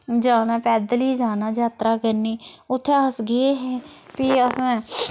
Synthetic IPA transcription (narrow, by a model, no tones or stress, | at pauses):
d͡ʒaːnãːpɛːd̪liːd͡ʒaːnaːd͡ʒaːt̪ɾaːkəɾniːʊt̪ʰːeasɡeɦɛːpiːəsãː